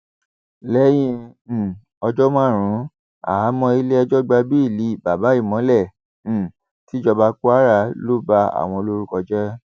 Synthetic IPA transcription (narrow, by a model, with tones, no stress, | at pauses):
lɛ˨˦j̃ĩ˧˨ | ɔ˧d͡ʒɔ˦mã˦˨ɾ̃ũ˨˦ | a̰˨˦mɔ̃˧i˧le˦ɛ˧d͡ʒɔ˦ɡ͡ba˧bi˦i˦˨li˨˦˨ba˨ba˨˦i˦˨mɔ̃˨˦lɛ̃˦˨ | ti˨˦d͡ʒɔ˧ba˧˦ko˦a˦˨ɾa˧˦lo˦ba˧˦a̰˨w̃ɔ̃˧o˧lo˦ɾu˦kɔ˧d͡ʒɛ˦